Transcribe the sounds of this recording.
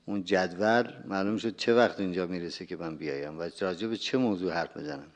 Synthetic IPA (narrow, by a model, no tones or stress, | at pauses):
und͡ʒæd̪vælmæːlumʃ̬od̪̚t͡ʃʰe̞væχt̪ʰiːnd͡ʒɒːmiːɾesekʲʰe̞mænbijɒ̰ːjæmvæɾɒːd͡ʒe̞bet͡ʃʰe̞mozuːhæɾfmḭzænæm